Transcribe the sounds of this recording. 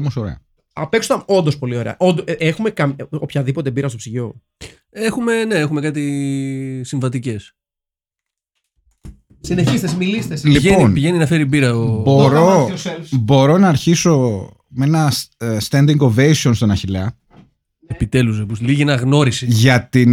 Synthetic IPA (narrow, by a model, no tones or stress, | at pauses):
omoso̞ɾḛɐ̰ | ɐpe̞ksot̪ɐno̞nd̪ospo̞lio̞ɾe̞̰ɐ̰ʔond̪oexume̞kɐmopçɐðipo̞t̪̬e̞biɾɐst̪o̞psiʝo̞ | exume̞ne̞exume̞kɐt̪̬i | siɱvɐt̪̬ice̞s | sineçist̪esmilist̪eslienoinpiʝe̞ninɐfe̞ɾibiɾɐobo̞ɾo | bo̞ɾo̞nɐːɾçiso̞ | menɐst̪ɐnd̪iŋɡovejsio̞nst̪o̞nɐçilɐ | epit̪e̞luzebusliʝienɐɣno̞ɾisiʝɐt̪in